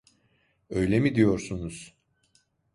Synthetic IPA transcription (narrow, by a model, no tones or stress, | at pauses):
ø̞jlʲemid̪ijo̞ɾsunuz̥